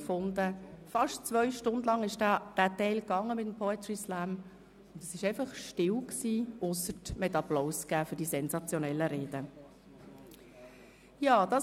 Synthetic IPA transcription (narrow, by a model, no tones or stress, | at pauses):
fʊnd̪əfɑʃtt͡svœʏʃtʊndlɑŋɪʃdd̥æːtɛɪlkɑŋːəmɪtəm̩pʰɔɛt̪ɹislæm | ʊnd̥ɛsɪʃɛɪfɑχʃtɪwksiːʔʊsətmɛtɑplɔʊsɡ̥æːfʏɾd̥isɛnzɑt͡sjonɛlːəɾeːd̥ə | jɑːd̥ɑ